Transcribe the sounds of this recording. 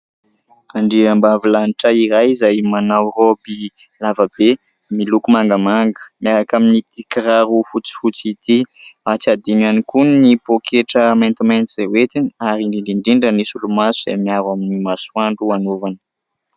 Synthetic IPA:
aɳɖ͡ʐiambavilaniʈ͡ʂaiɾajzajmanawrobi | lavəbe | milukumaŋɡəmaŋɡə̥miaɾakaminit̪ikiɾaɾufut͡si̥fut͡sit̪iat͡sad̪inanikunnipokʰeʈ͡ʂəmajnt̪imajnt̪iz̥ewet̪iniaɾiɳɖ͡ʐiɳɖ͡ʐiɳɖ͡ʐiɳɖ͡ʐənisulumasuzemiaɾwaminimaswaɳɖ͡ʐuanovanə̥

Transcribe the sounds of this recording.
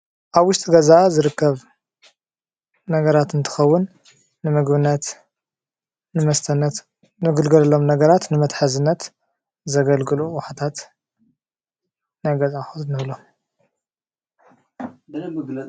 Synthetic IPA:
ʔaβwʊʃt̪ʼiɡɐzazɨɾɨkːɐβ | nɐɡɐɾat̪ɨnt̪ʰɨ̥xɐwːʊnː | ɨmɨɡbɨnːɐt̪ | nɨmɐst̪ʰɐn | nɨɡɨlɡɐlɐlo̞mnɐɡɐɾat̪nɨmɐt̪ħazɨnːɐt̪ | zɐɡɐlɡɨluwħat̪ʰat̪ | najɡɐzʼaxunɨβlom

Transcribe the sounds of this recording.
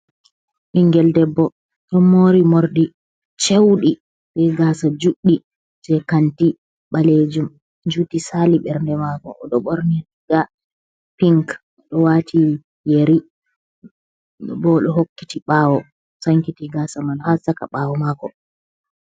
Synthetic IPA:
ʔiŋɡɛldɛbːɔ | ɗɔmoːɾimoɾɗi | t͡ʃewɗi | ɓɛɡaːsad͡ʒuɗːi | d͡ʒɛkanti | ɓaled͡ʒum | d͡ʒutisaliɓɛɾndɛmakɔ̰ɗɔɓoɾni | ɡa | piŋk | ɗɔwati | jeɾi | bɔɗɔɦokːi̥tiɓawɔ | saŋkitiɡaːsamalhasaka̰ɓaːwɔmaːkɔ

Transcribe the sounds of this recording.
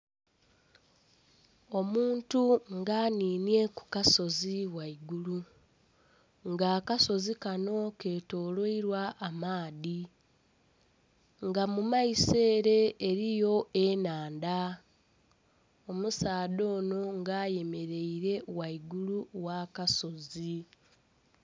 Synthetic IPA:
o̞muːntuŋɡaːniːnie̞ku̥kaso̞ziwaiɡulu | ŋɡaːkaso̞zikano̞ke̞ːto̞ːloiɾwaʔːmaːði | ŋɡamumaise̞ːɾe̞ːɾijo̞ʔenaːnda | o̞musaːdo̞ːno̞ŋɡaːje̞me̞ɾe̞iɾe̞waiɡuluwaːkaso̞zi

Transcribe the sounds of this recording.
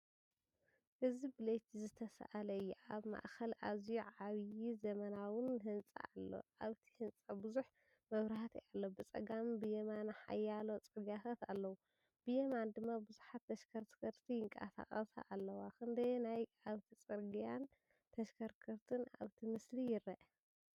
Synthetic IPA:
ʔɨzibɨlet͡ʃ̪zɨt̪ʰɐsɐ̰ʔalɐɨjːuaβma̰ʔxɐlʔaβzijuʕaβjizɐmɐnawɨnɦɨnt͡sʼa̰alːo̞̰ʔaβt̪ʰi̥hɨnt͡sʼɐbɨzuħ | mɐβɾɐhat̪ʰiʔalːobɨt͡sʼɐ̰ɡambɨjemanħa̰jːalot͡sʼɨɾɡijat̪ʰat̪a̰lːɐwu | b̥ɨjemand̪ɨmːabɨzuħat̪ːɐʃkʰɐɾkʰɐɾt̪ʰijɪŋkʼa̰sa̰χʼɐsa̰ʔalːɐwakɨnd̪ɐjnajʔaβt̪ʰit͡sʼɨɾɡijan | t̪ʰɐʃkʰɐɾkʰɐɾt̪ʰɨna̰βt̪ʰimɨslijɪɾɐʔ

